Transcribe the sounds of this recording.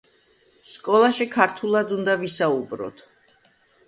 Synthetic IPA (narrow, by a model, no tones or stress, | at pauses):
skʼɔlˠaʃikʰaɾt̪ʰulˠad̪und̪avisaubɾɔ̰t̪ʰ